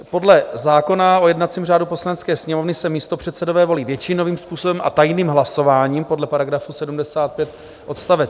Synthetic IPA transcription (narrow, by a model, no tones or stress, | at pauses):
po̞dlɛzaːko̞nao̞jɛdnat̪t͡siːmr̝aːdupo̞slanɛt͡skɛːsɲɛmo̞vnɪsɛmiːst̪o̞pr̝̥ɛt̪sɛdo̞vɛːvo̞liːvjɛt͡ʃɪno̞viːmspuːso̞bɛmʔa̰t̪ajniːmɦlaso̞vaːɲiːmpo̞dlɛpaɾaɡɾafusɛdumdɛsaːt̪̚pjɛt̪ | ʔo̞t̪st̪avɛt͡s